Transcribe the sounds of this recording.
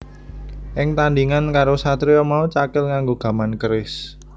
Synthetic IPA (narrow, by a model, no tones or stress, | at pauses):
ʔɪŋt̪anɖiŋankaɾosat̪ɾiɔmaut͡ʃakɪlŋaŋɡoɡ̥a̤mankəɾɪs